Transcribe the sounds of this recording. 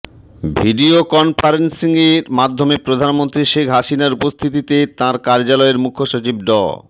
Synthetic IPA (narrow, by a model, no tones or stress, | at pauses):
bʱiɖiokɔnpʰaɾensiŋeɾmad̪ʱːomepɾod̪ʱanmont̪ɾiʃekʰɦaʃinaɾupost̪ʰit̪̬it̪et̪ãɾkaɾd͡ʑalɔeɾmukʰːoʃot͡ɕib̚ɖɔ̰